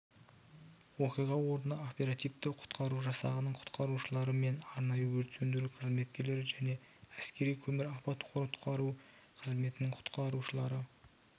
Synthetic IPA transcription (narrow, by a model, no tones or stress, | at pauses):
wo̞qijʁɑwo̞ɾd̪ənɑopʲe̞ɾat̪ijvt̪ɪqʰʊ̥t̪qɑɾuʒɑsɑ̰ʁənəɴqʰʊ̥t̪qɑɾuʃəlˠɑɾəme̞nɑɾnɑjəwɵɾt̪send̪ɪɾɪqʰəzme̞t̪̚kʲe̞ɾle̞ɾɪʒæne̞ | æskʲe̞ɾijkʲʰɵmɪɾɑpɑt̪qʰoɾt̪qʰɑɾu | qʰəzme̞t̪ɪnɪɴqʰʊ̥t̪qɑɾuʃəlˠɑɾə